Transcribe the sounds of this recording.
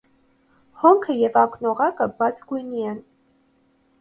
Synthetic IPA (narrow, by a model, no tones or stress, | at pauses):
hɔŋkʰəjɛvɑknɔʁɑkəbɑt͡sʰɡujniɛn